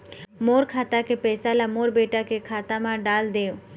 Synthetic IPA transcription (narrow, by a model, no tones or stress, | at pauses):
moːɾkʰaːt̪akepɛːsalamoːɾbeːʈakekʰaːt̪amãɖaːld̪eːo